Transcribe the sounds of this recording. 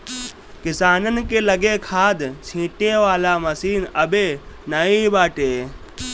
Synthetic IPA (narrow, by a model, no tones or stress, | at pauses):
kɪsaːnənɪ̆keːlɐɡekʰaːd̪sʰĩːʈeʋaːlamɐsiːnɐbenaĩbaːʈeː